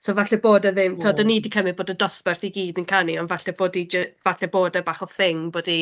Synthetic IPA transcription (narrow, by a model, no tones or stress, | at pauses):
sovaɬɛboːdəðɪmtʰːɔdənidikʰəmɪðboːdədɔspɛrθiɡiːdənkʰaniɔnvaɬɛboːdid͡ʒəvaɬɛboːdəbaːχɔθɪŋboːdi